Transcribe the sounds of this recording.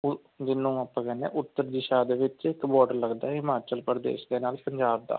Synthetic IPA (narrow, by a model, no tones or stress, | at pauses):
d̪ɪnːũːəpːə̃kɛnḛːʔʊt̪ːəɾd̪ɪʃaːd̪eːʋɪt͡ʃɪkːbɔːɖəɾləɡd̪aːɦɪmaːɾt͡ʃəlpəɾəd̪ḛːʃd̪eːnaːlpəɲd͡ʒaːb̚d̪a̰ː